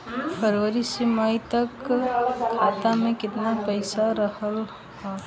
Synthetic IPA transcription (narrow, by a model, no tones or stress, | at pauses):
pʰəɾʋəɾiseməit̪ɐk | kʰaːt̪amẽkɪt̪napəɪsaɾəhəl | ɦɛ